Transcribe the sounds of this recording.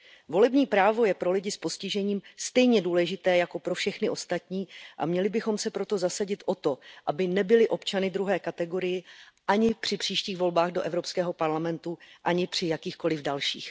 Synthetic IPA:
vo̞lɛbɲiːpɾaːvo̞jɛpɾo̞lɪɟɪspo̞scɪʒɛɲiːmst̪ɛjɲɛduːlɛʒɪt̪ɛːjako̞pɾofʃɛxnɪʔo̞st̪at̪ɲiːʔa̰mɲɛlɪbɪxo̞msɛpɾo̞t̪o̞zasaɟɪt̪ʔo̞t̪o̞ʔabɪnɛbɪlɪʔo̞pt͡ʃanɪd̪ɾuɦɛːkat̪ɛɡo̞ɾɪjɪʔaɲɪpr̝̥ɪpr̝̥iːʃciːɣvo̞lbaːɣdo̞ʔɛvɾo̞pskɛːɦo̞paɾlamɛnt̪uʔaɲɪpr̝̥ɪjakiːxko̞lɪvdalʃḭːx

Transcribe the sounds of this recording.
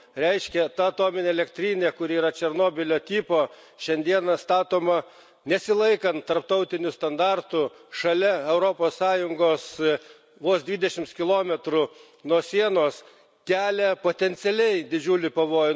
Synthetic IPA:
ɾʲɛɪʃʲkʲɛt̪ɐɐt̪oːmʲɪnʲeːɛlʲɛkt̪ʲɾʲiːnʲeːkʊɾʲiiːɾɐt͡ʃʲɛɾnoːbʲɪlʲoːt̪ʲiːpoː | ʃʲɛnʲd̪ʲiɛnɐst̪ɑːt̪oːmɐ | nʲɛsʲɪlˠɐɪkɐnt̪t̪ːɐɾpt̪ɐʊt̪ʲɪnʲʊst̪ɐnd̪ɑrt̪ʊʃɐlʲɛɛʊɾoːpoːssɑːjʊŋɡoːs | ʋoːsd̪ʲʋʲiːd̪ʲɛʃʲɪmtskʲɪlˠoːmʲɛt̪ɾʊ | nuɔsʲiɛnoːs | kʲæːlʲɛpoːt̪ʲɛnʲt̪sʲɛlʲɛɪd̪ʲɪd͡ʒʲuːlʲɪpɐʋoːj

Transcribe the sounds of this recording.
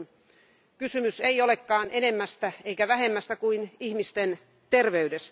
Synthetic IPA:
n | kysymyseiolekːɑːnʔenemːæst̪æeikæʋæhemːæst̪ækuinihmist̪en | t̪erʋeydest̪æ

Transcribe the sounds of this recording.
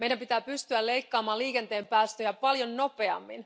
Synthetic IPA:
mejdæmpit̪æːpyst̪yælle̞jkːɑːmɑːliːke̞nt̪e̞ːmpæːst̪øjɑpɑljonːo̞pe̞ɑ̰mːḭn

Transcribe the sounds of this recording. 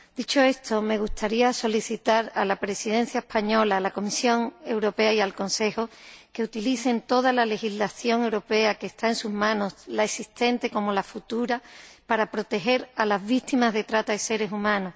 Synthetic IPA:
d̪̥it͡ʃo̞e̞st̪ʰo̞me̞ɣ̞ust̪aɾiaso̞liθit̪aɾalapɾe̞siðẽ̞n̟θjae̞hpaɲo̞laːlako̞misjo̞ŋe̞wɾo̞pe̞aialko̞nse̞xo̞ke̞ut̪iliθe̞nt̪o̞ð̞alale̞xizlaθjo̞ŋe̞wɾo̞pe̞ake̞ːst̪aensuzmãno̞slaesist̪e̞nt̪e̞ko̞mo̞lafut̪uɾapaɾapɾo̞t̪e̞xe̞ɾalazβit̪imazðe̞t̪ɾat̪aðese̞ɾe̞sumãno̞

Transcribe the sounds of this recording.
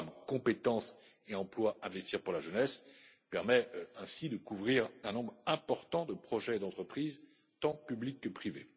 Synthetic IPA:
mkɔ̃pet̪ɑ̃s | eɑ̃plwaʔɛ̃vɛst̪iʁpuʁlaʒənɛspɛʁmɛɛ̃sid̪əkuvʁiʁɛ̃nɔ̃bʁɛ̃pɔʁt̪ɑ̃d̪əpχɔʒɛd̪ɑ̃t̪χəpχiz | t̪ɑ̃pyblikːəpχive

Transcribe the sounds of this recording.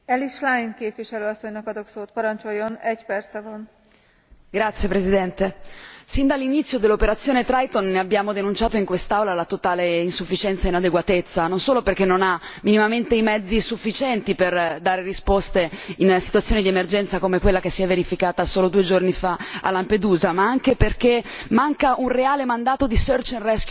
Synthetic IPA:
ɛliʃlajnkeːpviʃɛløːɔsːoɲnɔkɒd̪oksoːt̪̚pɒɾɔnt͡ʃojːonɛɟpɛrt̪sɛvɔn | ɡɾat̪sːjepɾezid̪ɛnt̪esind̪alːinit̪sːjod̪elːopeɾat̪sjoːnet̪ɾajt̪onneabjaːmod̪enunt͡ʃaːt̪oiŋkwest̪awlalat̪ot̪aːleinsufːit͡ʃɛnt̪sainad̪eɡwat̪et̪sːanonsoːloperkenːonaminimament̪eimɛd̪zːisufːit͡ʃɛnt̪iperd̪aːɾerispost̪einsi̥t̪wat̪sjoːnid̪iemerd͡ʒɛnt̪sakomekwelːakesːiɛvːeɾifikaːt̪asoːlod̪uːed͡ʒornifaa̰lamped̪uːzamaaŋkeperk̟emaŋkaʔunreaːlemand̪aːt̪od̪isørt͡ʃinrɛsk

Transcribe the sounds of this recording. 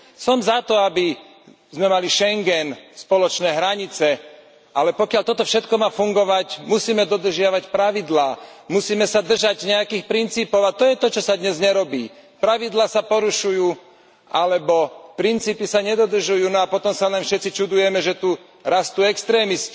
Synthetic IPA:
sɔmzat̪ɔabi | zmɛmaliʃɛŋɡɛnspɔlɔt͡ʃnɛːɦɾaɲit͡sɛ | ʔalɛpɔkɪaʎt̪ɔt̪ɔfʃɛt̪kɔmaːfuŋɡɔʋacmusiːmɛd̪ɔd̪r̩ʒɪaʋacpɾaʋid̪laːmusiːmɛsad̪r̩ʒaɟɲɛakiːxpɾint͡siːpɔʊat̪ɔjɛt̪ɔt͡ʃɔsad̪ɲɛzɲɛɾɔbiː | pɾaʋid̪laːsapɔɾuʃujuː | ʔalɛbɔpɾint͡siːpisaɲɛd̪ɔd̪r̩ʒujuːnɔapɔt̪ɔmsalɛnfʃɛt̪t͡sit͡ʃud̪ujɛmɛʒɛt̪u | ɾast̪uːɛkst̪ɾɛːmisc

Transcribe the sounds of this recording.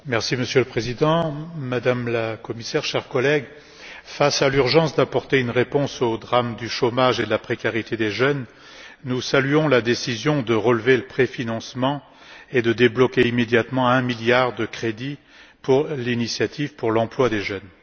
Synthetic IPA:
mɛʁsiməsjøləpχezid̪ɑ̃mad̪amlakɔmisɛʁʃɛʁkɔlɛɡ | fasalyʁʒɑ̃sd̪apɔʁt̪eynʁepɔ̃sod̪ʁamd̪yʃomaʒed̪əlapχekʲaʁit̪ed̪eʒœnː | usalyɔ̃lad̪esizjɔ̃d̪əʁəlveləpχefinɑ̃smɑ̃ | ed̪əd̪eblɔkʲeimed̪jat̪mɑ̃ɛ̃miljaʁd̪əkχed̪i | puʁlinisjat̪ʰivpuʁlɑ̃plwad̪eʒœn

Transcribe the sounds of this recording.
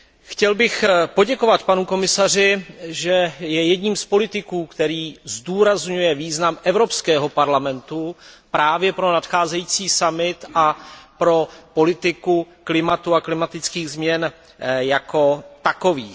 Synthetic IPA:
xcɛlbɪxpo̞ɟɛko̞vat̪panuko̞mɪsar̝ɪʒɛjɛjɛdɲiːmspo̞lɪt̪ɪkuːkt̪ɛɾiːzduːɾazɲujɛviːznamʔɛvɾo̞pskɛːɦo̞paɾlamɛnt̪upɾaːvjɛpɾo̞nat̪xaːzɛjiːt͡siːsamɪt̪ʔapɾo̞po̞lɪt̪ɪku | klɪmat̪uaklɪmat̪ɪt͡skiːɣzmɲɛn | jako̞t̪ako̞viː

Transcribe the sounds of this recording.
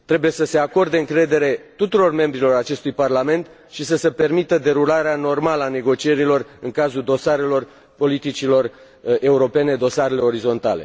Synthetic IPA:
t̪ɾe̞buje̞səse̞ako̞rd̪eɨŋkɾe̞d̪e̞ɾe̞t̪ut̪uɾo̞rme̞mbɾilo̞ɾat͡ʃe̞st̪ujparlame̞nt̪ | ʃisəsəpe̞rmit̪əd̪e̞ɾulaɾeano̞rmaləane̞ɡo̞t͡ʃie̞ɾilo̞rɨŋkazud̪o̞saɾe̞lo̞r | po̞lit̪it͡ʃilo̞r | e̞uɾo̞pe̞ne̞d̪o̞saɾe̞le̞o̞ɾizo̞nt̪a̰le̞̰

